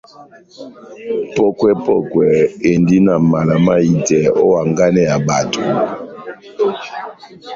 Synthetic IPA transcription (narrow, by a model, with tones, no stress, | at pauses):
pɔ˦kwɛ˦pɔ˦kwɛ˨e˨ndi˦na˨ma˨la˨ma˦i˨tɛ˨o̰˦wa˨ŋɡa˦nɛ˦ja˨ba˨tʰo˨